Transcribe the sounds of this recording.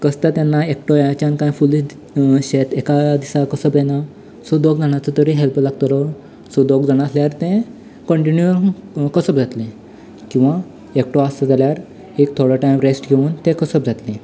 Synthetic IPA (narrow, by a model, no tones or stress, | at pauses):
kəst̪at̪janːaekʈojat͡ɕãnkãjfuli | ɕet̪ekad̪isakəsəpd͡zena | sɔd̪oɡd͡zaɽ̃at͡sət̪əɾĩɦelplaɡt̪əlɔ | sɔd̪oɡd͡zaɽ̃asljaɾt̪ẽ | kəɳʈinjuəkəsəb̚d͡zʱat̪lẽ | kĩw̃ʋa | ekʈoasəd͡zaljaɾ | ek̚t̪ʰoɽaʈajmɾesʈɡʱeuːnt̪ẽkəsəp̚d͡zʱat̪lĩ